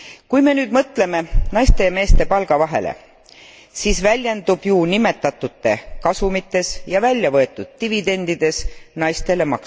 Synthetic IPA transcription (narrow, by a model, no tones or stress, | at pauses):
kujme̞nyːd̪̥mɤt̪ːˑle̞me̞nɑjst̪e̞me̞ːst̪e̞pɑlɡ̥ɑvɑɦe̞̰lʔḛ | siːsvælʲjend̪̥ub̥juːnime̞t̪ːˑɑt̪ːˑut̪ːe̞kɑsumit̪ːˑe̞sjɑvælʲjɑvɤ̞e̞t̪ːˑud̪̥̚t̪ivid̪e̞nd̪̥id̪̥e̞snɑjst̪e̞le̞mɑks